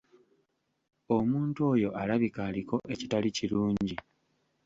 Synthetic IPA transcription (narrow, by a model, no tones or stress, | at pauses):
o̞muːntuo̞ːjo̞ʔalaβikaːliko̞ʔe̞citaliciɾuːɲɟi